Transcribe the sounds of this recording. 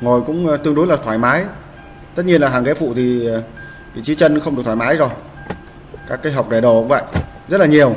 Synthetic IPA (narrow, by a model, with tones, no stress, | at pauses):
ŋo˨˩jkʊ̰˧˥ŋ͡mt̪ɨ˧əŋɗu˨˦jlaː˨˩t̪ʰwaː˧˩jmaː˨˦j | t̪ə˦˥t̚ɲi˧ənlaː˨˩ɦaː˨˩ŋke˨˦fṵ˧˨t̪ʰi˨˩˨ | vḭ˧˨t͡ɕi˨˦t͡ɕə˧nxə˧wŋ͡mɨ˨˩k̚t̪ʰwaː˨˩maː˨˦jzo˨˩j | kaː˦˥kːaː˨˦jɦa˨˩wk͡p̚ɗa˨˩ɗo˨˩kʊ̰˧˥ŋ͡mvə̰˧˨j | zə˦˥t̚laː˨˩ɲi˨˩əw